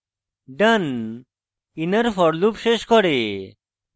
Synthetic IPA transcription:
ɖən | inəɾfʰɔɽlupʃeʃkɔɽe

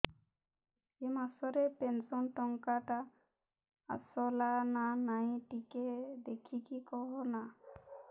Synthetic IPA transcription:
emasɔɾepensɔnʈɔŋkaʈa | a̰sɔlananaĩʈiked̪ekʰikikɔɦɔna

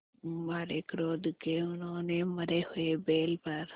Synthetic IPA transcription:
maːɾekɾoːd̪keʊnɦõːneməɾehʊebeːlpəɾ

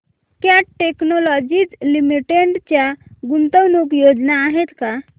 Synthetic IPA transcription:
kjaʈeknolɔd͡ʒid͡ʒlimiʈeɳɖt͡ʃaɡunt̪əwnukjod͡ʒnaːɦet̪ka

